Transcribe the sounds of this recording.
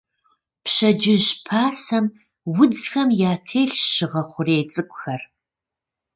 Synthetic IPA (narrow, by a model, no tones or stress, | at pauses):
pɕɐd͡ʒɪʑpʰaːsɐm | wʊd͡zxɐmjaːtʰeːɬɕɪʁɐχʷʊreːjt͡sʼɨkʷʼʊxɐr